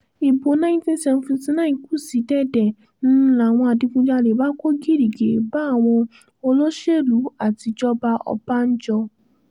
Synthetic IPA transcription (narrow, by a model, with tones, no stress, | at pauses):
i˨bo˨˦nã˦ĩ˦tĩ˦n̩˦sɛ˧m˨vɔ̃˨nti˧nã˦ĩ˨ku˦˨si˨˦dɛ˦˨dɛ˨ | ñ̩˦la˨w̃ɔ̃˧a˨di˧kũ˧d͡ʒa˧˨le˨ba˦ko˦ɡi˦ɾi˨ɡe˨˦ba˦˨w̃ɔ̃˧ | o˧lo˦ʃe˦˨lu˨˦a˦˨ti˧d͡ʒɔ˦ba˧ɔ̰˧ba˦n̩˦d͡ʒɔ˧